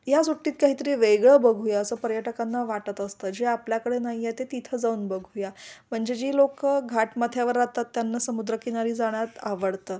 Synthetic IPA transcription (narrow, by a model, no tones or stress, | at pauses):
jasuʈːiːt̪kaɦiːt̪əɾiːʋeɡɭəbəɡʱujaəsəːpəɾjəʈəkanːaʋaʈət̪əst̪əd͡ʑeapljakəɽenaɦjat̪et̪it̪ʰəd͡zauːnbəɡʱujam̤əɳd͡ʑed͡ʑiːlokəɡʱaʈmat̪ʰjaʋəɾːat̪at̪ːjanːasəmud̪ɾəkinaɾiːd͡zaɽ̃jat̪aʋəɽt̪əː